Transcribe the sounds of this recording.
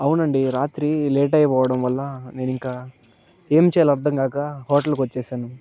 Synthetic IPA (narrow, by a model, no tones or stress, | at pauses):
ɐwunɐɳɖiɾaːt̪ɾileːʈɐjɐpɔːʋɐɽɐmʋɐlːɐne̞ːniŋkaː | e̞ːmit͡ʃɛːlɐɐɾd̪ʱɐŋɡaːkɐɦoːʈɐlkʋɐt͡ʃːɛːʃaːnu